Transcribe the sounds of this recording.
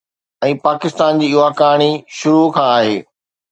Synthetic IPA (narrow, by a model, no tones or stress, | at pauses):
ɛ̃ːpaːkɪst̪aːnd͡ʑiːʊakaːɽ̃iʃʊɾukʰãːaːɦeː